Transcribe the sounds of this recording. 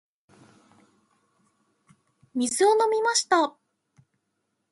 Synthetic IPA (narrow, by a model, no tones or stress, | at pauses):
mʲizɨono̞mʲimaɕi̥t̪a